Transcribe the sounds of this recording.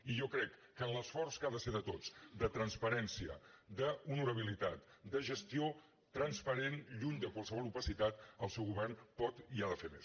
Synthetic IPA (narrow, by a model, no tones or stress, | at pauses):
iʒɔkɾɛkːənləsfɔrskaðəseðət̪ot͡sd̪ət̪ɾənspəɾɛnsiə̰d̪əulˠnuɾəβ̞ilit̪at̪d̪əʒəst̪io | t̪ɾənspəɾenʎuɲd̪əkwalˠsəβɔlˠupəsit̪at̪əlˠsɛwɣuβɛrnpɔt̪iaðəfemḛs